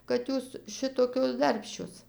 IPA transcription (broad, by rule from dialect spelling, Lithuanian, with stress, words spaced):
kɐt ˈjuːs ˈʃʲɪtoːkʲoːs ˈdɐrʲpʲʃʲt͡ʃʲoːs